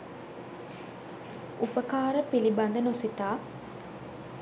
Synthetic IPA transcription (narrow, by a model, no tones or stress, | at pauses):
upəkaːɾəpiliband̪ənosit̪aː